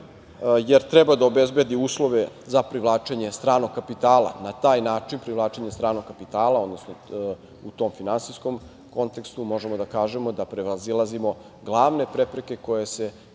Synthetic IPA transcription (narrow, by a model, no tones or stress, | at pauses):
jeɾt̪ɾɛbad̪aobezbed̪iuːslˠo̞ʋe̞ | zapɾiʋlˠaːt͡ʃeɲe̞st̪ɾaːnoɡkapit̪aːlˠa̰nat̪aːjnaːt͡ʂinpɾivlˠaːt͡ʃe̞ɲe̞st̪ɾaːɾnoɡ̚kːapit̪aːlˠao̞d̪no̞sno | ut̪o̞mfinansiskom | ko̞nt̪e̞kst̪umo̞ʒe̞mo̞d̪akaːʒe̞mo̞d̪apɾeʋazilˠazimo̞ | ɡlˠaːʋne̞pɾepɾe̞ke̞ko̞je̞se̞